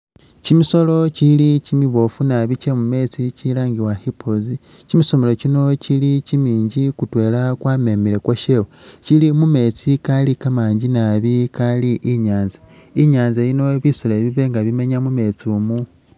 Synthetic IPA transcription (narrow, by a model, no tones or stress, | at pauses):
cimiso̞lo̞cilicimiβo̞funaβit͡ʃemume̞t͡sicilaːŋɡiwahipʰozi | cimiso̞melo̞cino̞cilicimiːɲɟikutwe̞ːlakwaːme̞mile̞kwoʃeːwocilimume̞t͡sikalikamaːɲɟinaβikaliʔiɲaːnza | iɲaːnzaino̞βisoleβiβe̞ŋɡaβime̞ɲamume̞t͡siuːmu